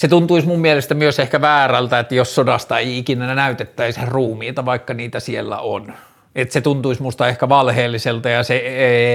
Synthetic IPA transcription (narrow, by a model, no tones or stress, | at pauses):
set̪unt̪uismummielest̪æmyøsehkæʋæːrælt̪æet̪ːjossodɑst̪ɑeiikinæænæyt̪et̪ːæisheruːmiːt̪ɑʋɑikːɑniːt̪æsielːæ̰o̰n | et̪set̪unt̪uismust̪ɑehkæʋɑlheːlːiselt̪ɑjɑsee